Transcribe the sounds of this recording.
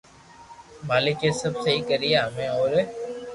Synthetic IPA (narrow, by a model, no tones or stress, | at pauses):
maːlɪkeːsəbsəɦiːkəɾijaːmɛ̃ːɔːɾ